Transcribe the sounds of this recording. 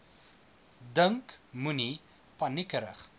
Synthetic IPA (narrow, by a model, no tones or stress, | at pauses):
dəŋkmuni | pɐnikəɾə̰χ